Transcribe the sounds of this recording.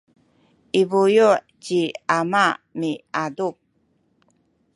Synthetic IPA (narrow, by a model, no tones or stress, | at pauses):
ʔiβujuʔ | ciamamiaduk̚